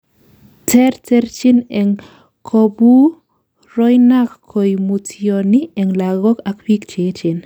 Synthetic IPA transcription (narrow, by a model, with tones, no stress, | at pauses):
tʰɛ˦ɾtɛ˦ɾt͡ʃɪ˦nɛ˨ŋ | kʰo˧bu˦ | ɾɔ˦jnakkʰːo˨jmutʰioni˦ɛ˨ŋla˨ɡɔ˦ka˨kwi˦kt͡ʃe˦t͡ʃɪ˨n